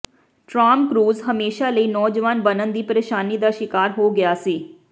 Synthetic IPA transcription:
ʈɾaːmkɾuːzɦəmeːʃaːləiːnɔːd͡ʒəʋaːnbənənd̪iːpəɾeːʃaːniːd̪aːʃɪkaːɾɦoːɡɪjaːsiː

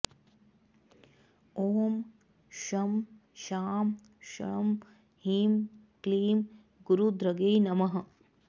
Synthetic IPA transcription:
oːm | ʃɐm | ʃaːm | ʃɐ̰m | hiːm | kliːm | ɡuɾud̪ɾɐɡejnɐmɐɦɐ̆

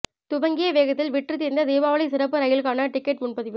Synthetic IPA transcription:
t̪ʊbɐŋɡɪjɐʋeːɣɐt̪ːɪlʋɪʈrɯt̪ːiːɾɪnd̪ɐd̪eːʋaːʋɐɭɪsɪɾɐp̬ːɯɾɐjɪlɯkaːnɐʈɪkːɛʈmʊnpɐðɪʋɯ

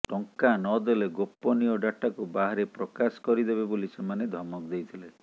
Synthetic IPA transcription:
ʈɔŋkanɔd̪eleɡopːɔnijɔɖaʈakubaɦaɾepɾɔkaskɔɾid̪ebebolisemaned̪ʱɔmɔkd̪ejt̪ʰile

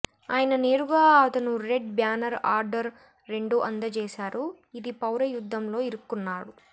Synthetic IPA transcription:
aːjɐnɐne̞ːɾuɡaːɐt̪ɐnuɾe̞ɖ̚bjaːnɐɾaːɾɖɐɾː | e̞ɳɖuʔɐnd̪ɐt͡ʃɛːʃaːɾu | id̪ipɐwɾɐjud̪ʱːɐmlo̞ːiɾukːunːaːɽu

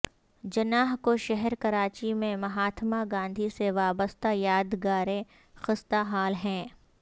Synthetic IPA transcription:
d͡ʒɐnaːɦkoʃɛɦɛɾkɐɾaːt͡ʃimẽmɐɦaːt̪ʰmaɡãːnd̪ʱiseʋaːbəst̪ajaːd̪ɡaːɾẽ | xɪst̪aɦaːlɦɛ̃ː

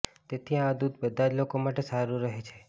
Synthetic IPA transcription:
t̪et̪ʰiãd̪ud̪bəd̪ʱad͡ʒlokomaʈesaɾũɾəɦet͡ʃʰe̥

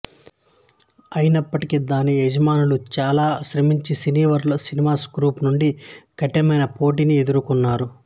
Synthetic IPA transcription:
ɐjinɐpːɐʈikid̪aːnied͡ʒɐmaːnulut͡ʃaːlaːʃɾɐmiɲt͡ʃisiniːʋɐɾlɐsinimaːskɾuːpnuɳɖikɐʈːɛmɐjnɐpo̞ːʈ̬inied̪uɾukunːaːɾu

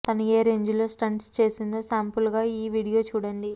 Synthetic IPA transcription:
t̪ɐnɐeːɾeːɲd͡ʒulo̞ːsʈɐɳʈst͡ʃe̞ːsind̪o̞ːsaːmpulɡaːiːʋiːɽijo̞ːt͡ʃuːɽɐɳɖi

